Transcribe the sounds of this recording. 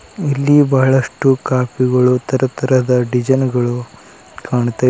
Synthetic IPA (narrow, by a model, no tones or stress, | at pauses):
ilːibɐɦɐɭɐʂʈukaːpiɡɐɭut̪ʰɐɾɐt̪ʰɐɾɐd̪ɐɖid͡ʒɐnɡɐɭu | kaːɳt̪ɐ